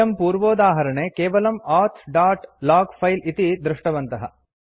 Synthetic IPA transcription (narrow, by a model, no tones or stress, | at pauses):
ɐmpuːɾʋoːd̪aːɦɐɾɐɳeːkeːʋɐlɐmaːɾt̪ʰɖaːʈlaːɡpʰɐjlit̪id̪ɾuʂʈɐʋɐnt̪ɐɦɐ̰